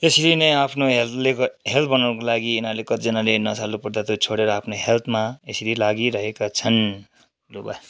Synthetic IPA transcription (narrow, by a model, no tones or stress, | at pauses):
esiɾinʌjapʰnoɦelt̪leɦelt̪ʰbʌnawnʌkolaɡiːnarlekʌt̪id͡zʌnalenʌsalupʌɾd̪at̪ot͡sʰoɽeɾʌːpʰnoɦelt̪ʰmaesiɾilaɡiɾʌɦekat͡sʰʌn | luba̰